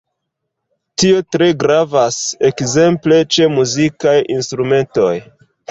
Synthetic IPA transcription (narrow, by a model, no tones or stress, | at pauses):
tio̞tɾe̞ɡɾavase̞kze̞mple̞t͡ʃe̞muzikajinstɾume̞nto̞j